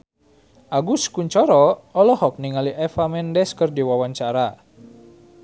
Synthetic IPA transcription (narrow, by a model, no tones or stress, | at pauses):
ʔaɡuskuɲt͡ʃɔɾɔɔlɔhɔk̚niŋaliʔɛfamɛndɛskərdiwawaɲt͡ʃaɾa